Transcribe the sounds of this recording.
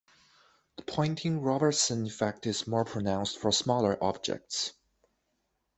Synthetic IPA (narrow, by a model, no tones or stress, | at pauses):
ðəpʰɔ̃ɪ̃ntʰɪ̃ŋɹɑbə˞tsə̃nɪ̃nfæk̚tɨzmɔɹpʰɹ̥ənãʊ̃nstfə˞smɔlˠə˞ʔɑ̰b̚d͡ʒɛ̰k̚ts